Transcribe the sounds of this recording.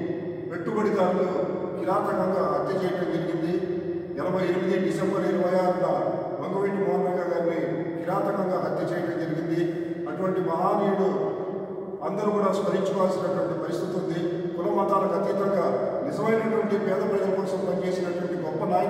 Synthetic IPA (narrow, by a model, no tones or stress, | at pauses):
pe̞ʈːubɐɽid̪aːnːukiɾaːt̪ɐkɡɐŋɡaːɦɐt̪jɐt͡ʃɛːjɐʈɐmd͡ʒɐɾiɡind̪i | ɛlɐbʱɐjenimid̪iːnisɐmbɐɾeːniʋɐjaːɐnːɐː | ʋɐŋɡɐʋiːʈimaːmɐɡaːɡaːɾni | kiɾaːt̪ɐkɐŋɡaːɦɐt̪jɐt͡ʃɛːjɐʈɐmd͡ʒɐɾiɡind̪i | ɐʈuʋɐɳʈimɐɦaːniːɽu | ɐnd̪ɐɾukuːɽaːspɐɾiɲt͡ʃɐʋaːlsinɐʈuʋɐɳʈipɐɾist̪it̪und̪i | kulɐmaːʈaːlɐkɐt̪iːt̪ɐŋɡaːnizɐmɐjnɐʈuʋɐɳʈipɛːd̪ɐpɐɽilɐpɐksɐmpɐɲt͡ʃe̞ːsinɐʈuʋɐɳʈiɡɔpːɐnaː